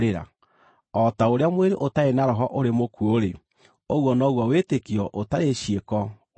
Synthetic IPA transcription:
ɾeɾa̰ | ɔtaoɾeamweɾeʔotaenaɾɔɦɔʔoɾemokʰuoɾe | oɣwɔnaːɣwɔwetekiɔʔotaɾeʃiekɔ

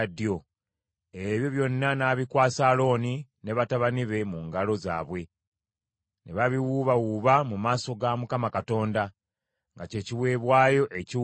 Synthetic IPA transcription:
djo̞ | eβjo̞βjo̞nːanaːβikwaːsaːlo̞ːnineβataβaniβe̞muŋɡalo̞za̰ːβwe̞ | nʔe̞βaβiwuβawuβamumaːso̞ɡamukamakato̞ːnda | ŋɡace̞ːciwe̞ːβwaːjo̞ʔe̞ci

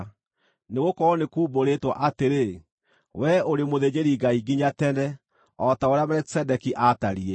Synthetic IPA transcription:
neɣokɔɔnekuːboɾetwa̰ʔateɾe | wɛoɾemoðed͡ʑeɾiɡaiɡiɲatɛnɛ | ɔtaoɾeamɛɾɛksɛdɛkiʔataɾiɛ

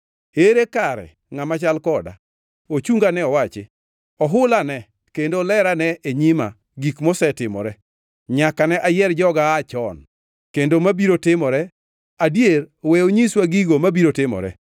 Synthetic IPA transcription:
eɾekaɾɛ̰ | ŋamat͡ʃalkɔda̰ | ot͡ʃuŋɡanɛɔwat͡ʃɪ | ɔɦʊlanɛ | kendolɛɾanɛʔeɲima̰ | ɡikmosɛtɪmɔ̰ɾɛ | ɲakanɛʔajɛɾd͡ʒɔɡaːt͡ʃɔn | kendomabiɾotɪmɔɾɛ | adjeɾwɛoɲiswaɡiɡomabiɾotɪmɔ̰ɾɛ̰

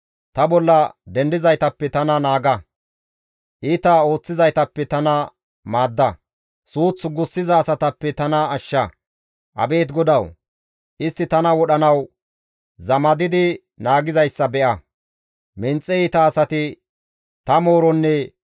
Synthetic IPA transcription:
t̪ɐbɔlːɐd̪ɛnd̪ɪzɐjt̪ɐpːɛt̪ɐnɐnaːɡɐ | ʔiːt̪ɐo̞ːt͡sːɪzɐjt̪ɐpːɛt̪ɐnɐ | maːd̪ːɐ | suːt͡sːɡʊsːɪzɐːsɐt̪ɐpːɛt̪ɐnɐːʃːɐ | ʔɐ̰be̞ːt̪ɡɔd̪ɐw | ʔɪst̪ːɪt̪ɐnɐwɔɗɐnɐw | zɐmɐd̪ɪd̪ɪ | naːɡɪzɐjsːɐbɛʔɐ | mɪnt͡sʼːɛiːt̪ɐːsɐt̪ɪ | t̪ɐmo̞ːɾɔnːɛ

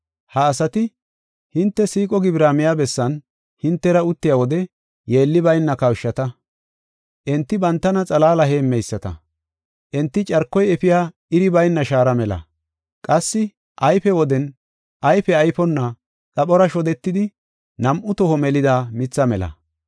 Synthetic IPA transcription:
hɐːsɐt̪ɪ | hɪnt̪ːɛsiːkʼɔɡɪbɾaːmɪjaːbɛsːɐn | hɪnt̪ːɛɾɐʊt̪ːɪjaːwɔd̪ɛ | jeːlːɪbɐjnːɐkɐwʃːɐt̪ɐ | ʔɛnt̪ːɪbɐnt̪ːɐnɐt͡sʼɐlaːlɐɦeːmːɛjsːɐt̪ɐ̰ | ʔɛnt̪ːɪt͡ʃʼɐɾkːɔjɛpɪjaː | ɪɾɪbɐjnːɐʃaːɾɐmɛlɐ̰ | kʼɐsːɪ | ʔɐjfɛwɔd̪ɛn | ʔɐjfɛɐjpɔnːɐ | t͡sʼɐɓɔɾɐʃɔd̪ɛt̪ːɪd̪ɪ | nɐmʔʊt̪ɔhɔmɛlɪd̪aːmɪt͡sːɐmɛlɐ̰

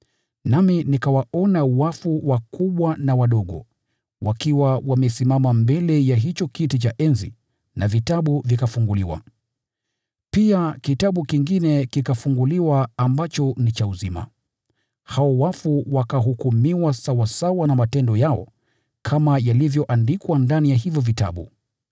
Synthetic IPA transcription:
naminikawaɔnawafuwakuɓwanawaɗɔɠɔ̰ | wʔakiwawamɛsimamambɛlɛjaɦit͡ʃɔkitit͡ʃaʔɛnzḭ | navitaɓuvikafuŋɡuliwa̰ | piakitaɓukiŋɡinɛkikafuŋɡuliwaːmbat͡ʃɔnit͡ʃauzima̰ | haɔwafuwakaɦukumiwasawasawanamatɛndɔjaɔ̰ | kʰamajalivjɔʔandikwandanijaɦivjɔvita̰ɓṵ

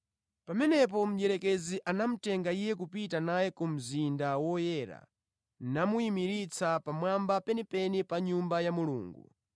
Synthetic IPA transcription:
pamɛnɛp̬ɔm̩ʄɛɾɛkɛziʔanam̩tɛŋɡaijɛk̬upitanajɛkum̩zindawɔjɛɾa̰ | namuimiɾit͡sʰapamwambapɛnipɛnipaɲumbajamulṵːŋɡṵ

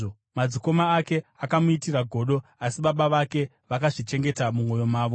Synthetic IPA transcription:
o | mad͡ziko̞maːke̞akamuitiraɡʱo̞ɗo̞asiɓaɓaʋake̞ | ʋakaʐit͡ʃe̞ŋɡe̞tamumo̞jo̞maːʋo

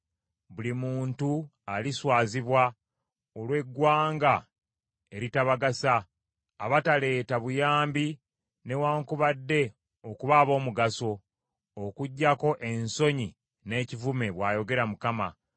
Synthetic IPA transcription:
βulimuːntu | aliswaːziβwa | olwe̞ɡwaːŋɡa | e̞ɾitaβaɡasaː | βatale̞ːtaβujaːmbi | ne̞waːŋkuβadːe̞ | okuβaːβo̞ːmuɡaso̞ | okuɟːako̞ʔenso̞ɲi | ne̞ːcivume̞βwaːjo̞ɡe̞ɾamukama

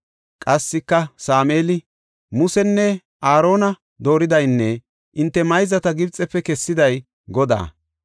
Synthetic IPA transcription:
kʼɐsːɪkːɐsaːmeːlɪ | mʊsɛnːɛ | ʔaːɾo̞ːnɐ | d̪o̞ːɾɪd̪ɐjnːɛ | ʔɪnt̪ːɛmɐjzɐt̪ɐɡɪbt͡sʼːɛpːɛkɛsːɪd̪ɐj | ɡɔd̪a̰ː

